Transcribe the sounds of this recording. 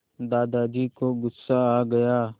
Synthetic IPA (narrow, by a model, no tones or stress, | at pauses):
d̪aːd̪aːd͡ʒiːkoɡʊsːaaːɡɐjaː